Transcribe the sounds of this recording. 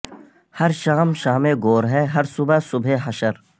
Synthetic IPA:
hɐɾʃɐːmʃaːmẽɡoːɾɦɛːɦɐɾsʊbasʊbʱeɦɐʃəɾ

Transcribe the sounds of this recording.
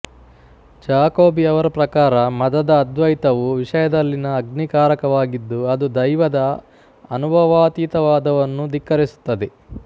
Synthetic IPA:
d͡ʒaːkoːbiɐʋɐɾɐpɾɐkaːɾɐmɐd̪ɐd̪ɐːd̪ʋɐjt̪ɐʋuʋiʂɐjɐd̪ɐlːinɐːɡnikaːɾɐkɐʋaːɡid̪ːuɐd̪ud̪ɐjʋɐd̪ɐː | nubʱɐʋaːt̪iːt̪ɐʋaːd̪ɐʋɐnːud̪ikːɐɾisu̥t̪ːɐd̪e

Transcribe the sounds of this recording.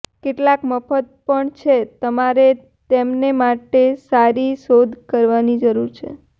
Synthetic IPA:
keʈlakməfʰət̪̚pəɳt͡ʃʰet̪əmaɾe | t̪emnemaʈesaɾiʃod̪ʱkəɾʋanid͡ʒəɾuɾt͡ʃʰḛ

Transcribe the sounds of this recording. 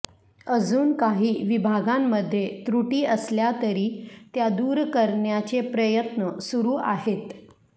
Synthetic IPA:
əd͡zuːnkaɦiːʋibʱaɡamːəd̪ʱːjet̪ɾuʈiːəsljat̪əɾiːt̪jad̪uːɾkəɾɳjat͡sepɾəjət̪nəsuɾuːa̰ɦet̪

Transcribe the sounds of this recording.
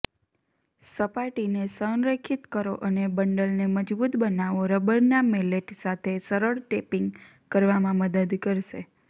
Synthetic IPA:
səpaʈinesənɾəkʰit̪kəɾoʔənebəɳɖəlneməd͡ʒbut̪bənaʋoɾəbəɾnameleʈsat̪ʰesəɾəɭʈepiŋɡ | kəɾʋamãməd̪əd̪kəɾʃḛ

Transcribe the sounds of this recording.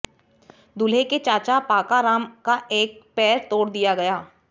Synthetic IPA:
d̪ʊleket͡ʃaːt͡ʃapaːkaɾaːmkaʔeːk̚pɛːɾt̪oːɽd̪ijaɡɐjaː

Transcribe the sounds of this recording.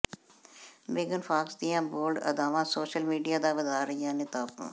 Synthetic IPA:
meːɡənfaːksd̪ijãːboːlɖɐ̰d̪aːʋãːsoːʃəlmiːɖijaːd̪abɐd̪aːɾɐɦijãːnɪt̪aːpṵ̃ː

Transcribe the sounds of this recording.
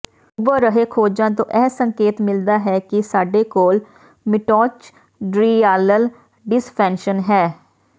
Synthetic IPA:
ʊbəɾəɦeːkʰoːd͡ʒãːt̪̬õ̰ːʔɛːsəŋkeːt̪mɪld̪aːɦɛːkɪsaːɖeːkoːl | mɪʈɔːt͡ʃ | ɖɾiːaːləl | ɖɪspʰɛ̃ːnʃənɦɛː

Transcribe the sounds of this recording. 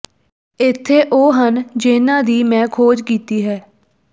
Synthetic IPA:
ɪt̪ʰːeːʔoːɦənd͡ʒɪːnãːd̪iːmɛ̃ːkʰoːd͡ʒkiːt̪iːɦɛː

